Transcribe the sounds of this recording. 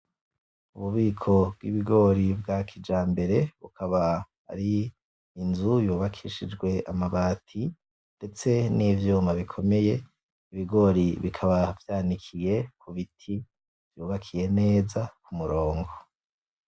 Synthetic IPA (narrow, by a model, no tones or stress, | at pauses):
uβuβiːkʰo̞b̚ɡwiβiɡo̞ɾibɡakʰid͡ʒaːmbe̞ɾe̞βṵkʰaβa | a̰ɾiː | nzujuːβakʰiʃid͡ʒɡwe̞amaβaːtʰi | nd̥e̞t͡se̞nivjuːmaβikʰo̞me̞je̞ | iβiɡo̞ɾiβikʰaβavjaːnikʰije̞kʰuβitʰi | v̥juːβakʰije̞ne̞ːzakumuɾo̞ːŋɡo̞